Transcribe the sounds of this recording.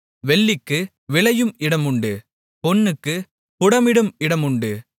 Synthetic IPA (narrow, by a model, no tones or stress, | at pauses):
ʋɛɭːɪkːɯ | ʋɪɭɐjɯmɪɽɐmʊɳɖɯ | pɔnːɯkːɯ | pʊɽɐmɪɽɯmɪɽɐmʊɳɖɯ